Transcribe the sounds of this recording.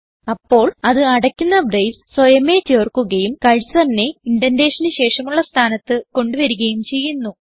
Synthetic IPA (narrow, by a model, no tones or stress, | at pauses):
ɐpːo̞ːɭɐðɨɐɽɐkʲːunːɐbrɐjsswɐjɐme̞t͡ɕerkːuɣɐjumkɐɻsɐrnːe̞iɳɖɐnde̞ːʂɐnɨɕe̞ːʂɐmuɭːɐst̪ʰaːnɐt̪ːɨko̞ɳɖuʋɐɾuɣɐjumt͡ɕe̞jːunːu